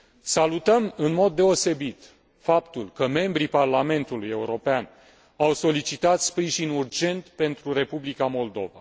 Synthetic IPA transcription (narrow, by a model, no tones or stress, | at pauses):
salut̪əmɨnmo̞d̪ːe̞o̞se̞bit̪ | fapt̪ulkəme̞mbɾiparlame̞nt̪uluje̞uɾo̞pean | awso̞lit͡ʃit̪at̪spɾiʒinurd͡ʒe̞nt̪pe̞nt̪ɾuɾe̞publikamo̞ld̪o̞va̰